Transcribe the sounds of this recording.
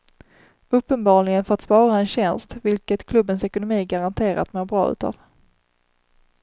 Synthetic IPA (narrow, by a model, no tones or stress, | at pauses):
ɵpːənbɑːɭɪɡənfœɾat̪spɑːɾaɛnɕɛnst̪vɪlkət̪kʰlɵbːənsɛkʊnʊmiːɡaɾant̪ʰeːɾa̰t̪moːɾbɾɑ̰ːʉ̰ːt̪ʰɑ̰ːv